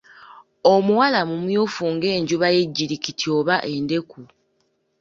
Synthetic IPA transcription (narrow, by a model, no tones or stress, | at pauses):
o̞muwalamumjuːfuŋɡe̞ːɲɟuβaje̞ɟːiɾikitʰio̞ːβaʔe̞nde̞ku